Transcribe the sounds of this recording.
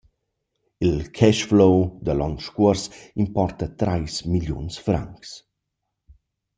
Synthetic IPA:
ilkʰɛʃflowd̪əlɔŋʃkuəɾsimpɔrt̪at̪ɾʔajsmiljṵnsfɾa̰ŋks

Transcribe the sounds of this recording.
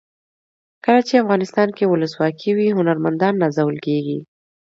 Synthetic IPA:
kəlat͡ʃeafɣɑnɪst̪ɑnkewʊləswɑkʰiwiɦʊnaɾmand̪ɑnːazawəlkeɡi

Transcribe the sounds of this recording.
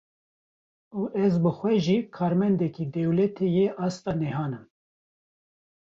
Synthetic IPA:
uːʔɛzbɨxʷwɛʒiːkʰɑːɾmɛnd̪ɛkiːd̪ɛwlɛt̪ʰejeʔɑːst̪ɑːnɛɦɑːnɨm

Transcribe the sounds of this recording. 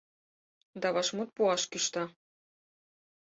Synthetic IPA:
d̪ɑβɑʃmut̪̚puɑʃkyʃt̪ɑ

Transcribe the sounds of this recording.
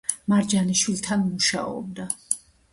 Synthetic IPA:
maɾd͡ʒaniʃwilt̪ʰanmuʃa̰ɔ̰b̚d̪a

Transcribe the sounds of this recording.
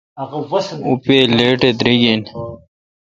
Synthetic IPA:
ɣwupeːleːʈed̪ɾiɡen

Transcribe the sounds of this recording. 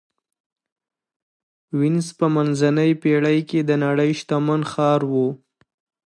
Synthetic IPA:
wɪnspəmanzanəjpeɽəjked̪ənaɽəjʃt̪amanxɑɾwu

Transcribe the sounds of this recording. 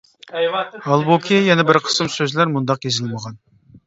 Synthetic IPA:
hɑlˠbokʲʰijɛnɛbɪɾqʰə̥sɨmsøzlæɾmund̪ɑqjezɪlməʁɑn

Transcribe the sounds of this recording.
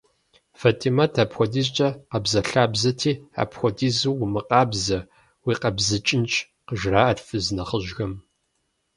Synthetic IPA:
fɐtʰʼimatʰapxʷɔdiːz̬t͡ʃʼɐqɐbzɐɬaːbzɐtʰiːa̰pxʷɔdiːzuwʊmɨqʼɑːbzɐ | wiːqɐbzɨt͡ʃʼɪnt͡ʃʰʼ | qəʒraːʔɐrfɨznɐχəʒɣɐm

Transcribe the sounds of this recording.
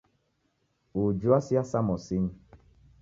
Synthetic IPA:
ud͡ʒuasiasamɔ̃sin

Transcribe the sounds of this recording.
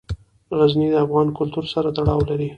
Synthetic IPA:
ɣaznid̪əafɣɑnkʊlt̪uɾsaɾat̪aɽɑwlaɾi

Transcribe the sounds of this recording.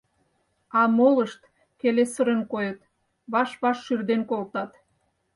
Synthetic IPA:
ɑmoləʃt̪ | kelesəɾə̆nkojət̪ | βɑʃβɑʃːyrd̪enkolt̪ɑt̪

